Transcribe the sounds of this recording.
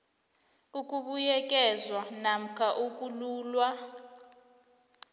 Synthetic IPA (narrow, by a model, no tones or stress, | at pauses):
ukʼuɓujɛk̬ʼɛzwanam̩kʰaʔukʼuluːlwa